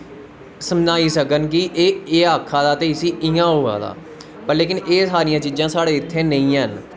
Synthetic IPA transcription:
səmnaːiːsəkənkiʔeːeːaːkʰːaːd̪aːt̪eːɪsiːʔɪãːɦoːa̰ːd̪a̰ː | pəɾleːkɪneːsaːɾijãːt͡ʃiːd͡ʒãːsaːɽeːɪt̪ʰːeːnəĩːɦən

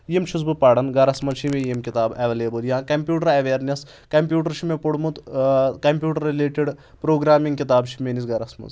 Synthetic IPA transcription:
jemt͡ʃʰuzbupaːɽɐnɡɐɾɐsmɐzt͡ʃʰimẽjemkit̪aːbɐʋɐleːbɐljãkɐmpʲjuːʈɐɾɐʋeːɾnes | kɐmpʲjuːʈɐɾt͡ʃʰimepuɽmut̪kɐmpjuːʈɐɾːileːʈiɖ | pɾoːɡɾaːmiŋɡkit̪aːbt͡ʃʰi̥meːnisɡɐɾɐsmɐ̰z

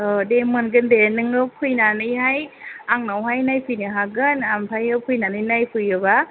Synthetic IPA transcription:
demɯnɡɯndenɯŋɯpʰɯjnanɯjɦajaŋnawɦajnajpʰɯjnɯɦaɡɯnampʰajɯpʰɯjnanɯjnajpʰɯjɯba

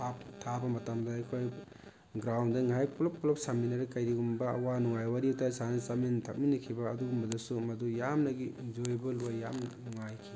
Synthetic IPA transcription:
ap̚tʰabɐmɐtamdɐːjkʰoj | ɡɾawndɐŋajkʰulɔp̚kʰɔlɔp̚saminɐɾɐkajɾiɡumbɐɐ̰wanuŋajwaɾitʰasanɐsamentʰɐk̚minːɐkʰibɐːduɡumbɐdɐsumɐdujamnɐɡizojbɐluajamnuŋajkʰi

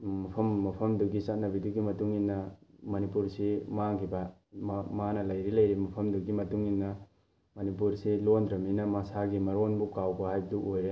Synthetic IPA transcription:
mɐpʰɐmːɐpʰɐmduɡisat̚nɐbiduɡimɐtuŋinːɐmɐnipuɾsimaŋkʰibɐ | manɐlɐjɾilɐjɾimɐpʰɐmduɡimɐtuŋinːɐ | mɐnip̬uɾsilondɾɐminɐmasaɡimɐɾonbukawbɐhajbduʔojɾe

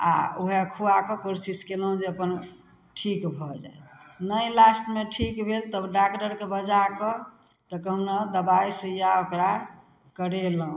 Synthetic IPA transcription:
a̰uɦeəkʰuakɔkoɾsiskelɦũd͡ʒeəpən | ʈʰikbʱɔd͡ʒa̰enəjlasʈmeʈʰikbʱelt̪əbɖakʈəɾkebəd͡ʒakɔ | t̪ɔkəɦunad̪əbaisijaokɾa | kəɾeləɦũ

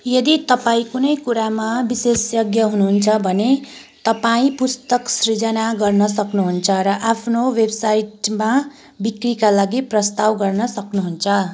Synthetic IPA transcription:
jʌd̪it̪ʌpaĩkunʌjkuɾamabisesjʌɡjʌɦunuɦunt͡sʰʌbʱʌne | t̪ʌpaĩpust̪ʌksrid͡zʌnaɡʌrnʌsʌknuɦunt͡sʰʌɾʌʔapʰnowebsajʈma | bikrikalaɡiprʌst̪awɡʌrnʌsʌknuɦunt͡sʰʌ

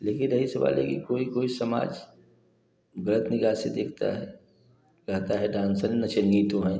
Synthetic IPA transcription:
leːkɪnɾɐɦisɐʋa̰ːlɦɛ̰kikoːikoːisɐma̰ːd͡ʒ | ɡɐlət̪nɪɡaːsed̪eːk̚ʰt̪a̰ɦɛ | kɐt̪aɦɛɖãːnsənːɐt͡ʃəlɡiːt̪õɦɛ̃ː

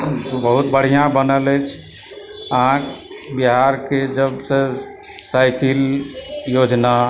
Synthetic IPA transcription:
bəɦut̪̚bəɽ̤ijãbənələjt͡ʃʰ | əɦãk | biɦaɾked͡ʒəbsə | sajkiljod͡ʒna

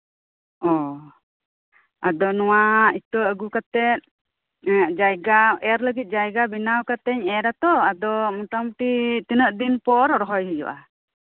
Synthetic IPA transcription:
ɔ | ad̪ɔnɔwait̪əəɡukat̪ɛt̪̚ | d͡ʒajɡaɛɾləɡit̪̚d͡ʒajɡabinawkat̪ɛɲɛɾat̪ɔad̪ɔmɔt̪amʈit̪inəʔd̪inpɔɾɔɾɔɦɔjɦəjɔ̰ʔa

